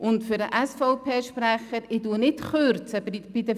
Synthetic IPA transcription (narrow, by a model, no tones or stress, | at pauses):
ʔʊntfʏɾəʔæsfɔʊpʰeːʃpɾæχəɾɪtuənɪtχøɾt͡səb̥idə